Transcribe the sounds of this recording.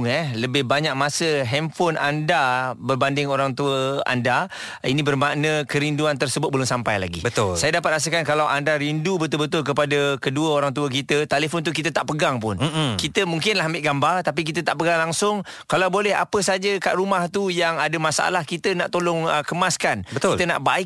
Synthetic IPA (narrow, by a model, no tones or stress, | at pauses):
ŋɛləbɪhbaɲak̚masəɦɛmfɔnʔandabərbandɪŋoɾaŋt̪uəa̰nda | inĩbərmaʔnəkəɾinduant̪ərsəbʊt̪̚bəlʊŋsampajla̰ɡḭbət̪ʊlsajadapat̪̚ras̬əkankalawʔandaɾindubət̪ʊlbət̪̬ʊlkəpadəkəduəoɾaŋt̪̬uək̬it̪ət̪aləfʊnt̪̬uk̬it̪ət̪aʔpəɡaŋpʊnkit̪əmuŋkɪnlaɦambɪʔɡambart̪ap̬ik̬it̪ət̪aʔpəɡaŋlaŋsʊŋ | kalawbolɛɦa̰pəsad͡ʒəka̰ʔɾumaht̪ujaŋadəmasaʔa̰lahkit̪ənaʔt̪olʊŋəkəmaskanbətk̪ilt̪əna̰ʔbaɪk